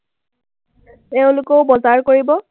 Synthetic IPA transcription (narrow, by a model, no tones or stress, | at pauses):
ɛʊ̃lʊkɔʊbɔzaɹkoɹibɔ